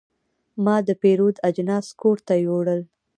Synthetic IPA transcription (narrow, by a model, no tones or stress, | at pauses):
mɑd̪əpeɾod̪ad͡ʒnɑskoɾt̪ajoɽəl